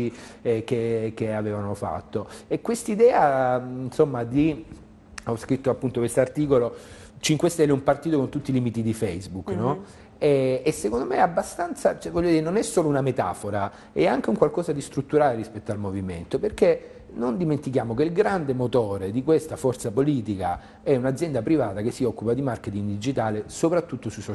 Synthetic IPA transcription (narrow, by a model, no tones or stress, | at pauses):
ik̟ek̟eaveːvanofa̰t̪ːoekːwest̪id̪ɛːansomːad̪i | ɔskɾit̪ːoapːunt̪okwest̪oart̪iːkolo | t͡ʃiŋkwest̪ɛlːeumpart̪iːt̪okont̪ut̪ːiliːmit̪id̪ifɛjzbukːnɔ | ɛɛsːekond̪omeabːast̪ant̪sat͡ʃɛvɔlʎːod̪iːɾenonɛsːoːlounamet̪a̰ːfoɾa | ɛaŋk̟euŋkwalkɔːzad̪ist̪ɾut̪ːuɾaːleɾispɛt̪ːoalmovimḛnt̪operk̟e | nond̪iment̪ikjaːmokeilɡɾand̪emot̪oːɾed̪ikwest̪afɔrt̪sapoliːt̪ika̰ | ɛunad̪zːjɛnd̪apɾivaːt̪akesːiɔkːupad̪imarket̪iŋd̪id͡ʒit̪aːlesopɾat̪ːut̪ːosuisɔ